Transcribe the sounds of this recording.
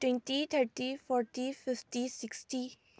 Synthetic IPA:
ʈwẽnʈit̪ʰəɾʈifɔːɾʈifɪfʈisɪksʈi

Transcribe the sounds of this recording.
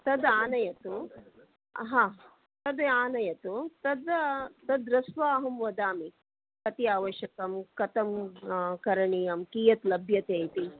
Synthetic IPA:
t̪ɐd̪aːnɐjɐt̪u | ɦãː | t̪ɐd̪eaːnɐjɐt̪ut̪ɐd̪t̪ɐd̪ɾɐsʋaːɦɐmʋɐd̪aːmi | kɐt̪iaːʋɐʃjɐkɐmkɐt̪ɐmkɐɾɐɳijɐmkiːjɐt̪lɐbʱjɐt̪eːjt̪i

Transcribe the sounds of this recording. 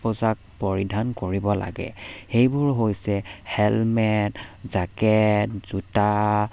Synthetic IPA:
pɔzak̚pɔɹidʱankoɹibɔla̰ɡɛ̰xejbʊɹɦojsɛhɛlmɛtzakɛtz̥uta

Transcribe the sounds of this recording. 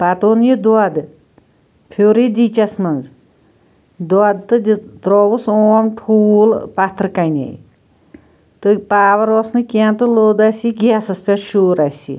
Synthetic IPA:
pat̪onjid̪uad̪ɨ | pʰoːɾid̪ʲit͡ʃasmɐnz | d̪uad̪̚t̪ɨd̪t̪ɾoːwusoɐmt̪ʰuːlpat̪ɨɾkɐnʲa̰j̰ | t̪ɨpaːʋɐɾɔsnɨkʲiant̪ɨloːd̪asiɡʲiasɐspʲeʃuːɾasḭ

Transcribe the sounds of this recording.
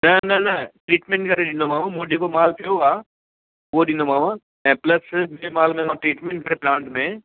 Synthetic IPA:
nɐnɐnɐʈɾiːʈmẽːɳʈkɐɾeɗɪ̃nd̪omaːʋãmõːd͡ʒekomaːlpijoaː | ʋoɗĩnd̪omaːʋã | ɛ̃ːplɐsmemaːlmẽãʈɾiːʈmẽːɳʈ̚kɐɾeplãːɳʈmẽ

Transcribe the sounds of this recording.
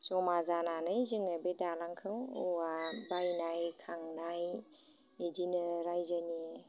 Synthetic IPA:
sɔmazananɯjzɯŋɯbedalaŋkʰɯwuabajnajkʰaŋnaj | edinɯɾajzɯni

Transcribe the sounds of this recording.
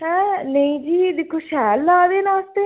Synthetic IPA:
ɦɛ̃nəĩd͡ʒiːd̪ɪkʰːoːʃɛːlːaːd̪eːnãːst̪e

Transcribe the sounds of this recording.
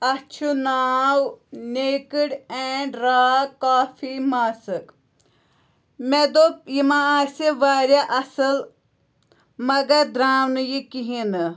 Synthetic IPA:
ɐt͡ʃʰunaːwneːkiɽeːɳɖɾaːkaːfʰimaːsɨk | med̪opjimãaːseʋaːɾjaʔɐsɨl | mɐɡɐɾd̪ɾaːwnɨjikiɦinɨ

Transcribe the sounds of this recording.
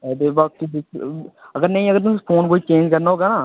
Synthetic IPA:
ɛːd̪eːbaːk̪ibɪkəɡəɾnə̃ĩəɡəɾt̪ʊsepʰoːnkoːiːt͡ʃẽːnd͡ʒkəɾnaːɦoːɡaːnaː

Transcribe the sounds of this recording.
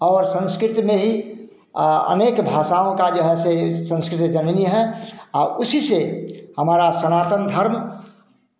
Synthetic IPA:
ɔːɾsə̃nskɾɪt̪mẽɦi | ə̰neːkbʱaːʃaõkad͡ʒoɦɛsesə̃nskɾɪt̪d͡ʒənniɦɛaʊsisehəmaːɾasənaːt̪ənd̪ʱəɾm

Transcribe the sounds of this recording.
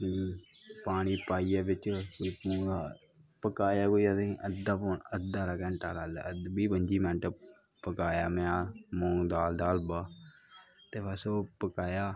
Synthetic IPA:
iː | paːɽ̃iːpaːiːjaːbɪt͡ʃkoipuːa | pəkaːjaːkoːiat̪ĩʔəd̪aːpoːnəd̪aːɾaːkɛ̃ːɳʈaːɾaːdbiːbəɲd͡ʒiːmɛ̃ːɳʈə | pəkaːjaːmɛ̃aːmõːŋd̪aːld̪aːlbaː | t̪eːpəsoːpəkaːjaː

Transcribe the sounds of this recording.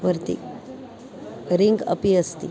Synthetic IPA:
ʋəɾt̪ḭ | ɾiŋɡə̰piəst̪ḭ

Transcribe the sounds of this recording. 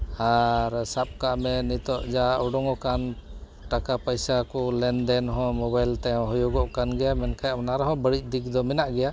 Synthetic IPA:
aɾsap̚kaʔmɛnit̪ɔʔd͡ʒauɖɔŋɔkan | ʈakapəjsakɔlɛnd̪ɛnɦɔ̃mɔbajlt̪ɛɔ̃ɦɔjuɡɔʔkanɡɛjamɛnkajnaɾɔɦɔ̃bəɽic̚d̪ik̚d̪ɔmɛnaʔɡɛja

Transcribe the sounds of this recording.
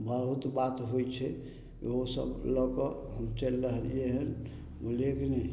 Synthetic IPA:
bəɦut̪bat̪ɦojt͡ʃʰɛ | kɦosə̰blɔkɔɦəmt͡ʃəlːəɦəlijeɦən | muleknɛ

